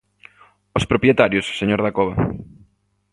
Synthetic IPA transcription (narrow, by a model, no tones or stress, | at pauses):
ospɾopɾjet̪aɾjʊsseɲoɾðakoβɐ